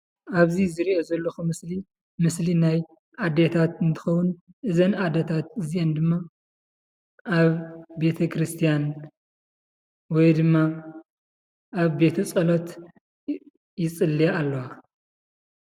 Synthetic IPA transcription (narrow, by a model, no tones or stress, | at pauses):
ʔaβzizɨɾiʔozɐlːoxumɨsli | mɨslinaj | ʔad̪et̪ʰat̪ɨnt̪ʰɨ̥xɐwʊn | ʔɨzɐnad̪ɐt̪ʰat̪̚ɨziʔend̪ɨmːa | ʔaβbe̞t̪ʰɐkʰɾɨst̪ʰijan | wɔjd̪ɨmːa | ʔaβbe̞t̪ʰɐt͡sʼɐlot̪ | jɪt͡sʼɨlːijaːlːɐwa